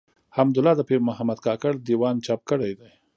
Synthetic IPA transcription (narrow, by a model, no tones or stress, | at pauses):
hamd̪ʊlɑd̪əpeɾmʊɦamad̪kɑkaɾd̪iwɑnt͡ʃɑp̚kəɽajd̪aj